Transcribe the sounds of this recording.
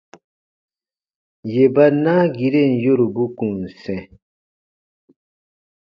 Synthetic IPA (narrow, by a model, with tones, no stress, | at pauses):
je˨ba˦na˦ɡi˨ɾe˦˨n̩˨jo˦ɾu˨bu˦kũ˨n̩˨sɛ̃˨